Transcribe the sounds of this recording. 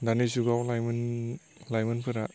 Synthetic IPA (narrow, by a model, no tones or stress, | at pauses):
danisuɡawlajmɯn | lajmɯnpʰɯɾa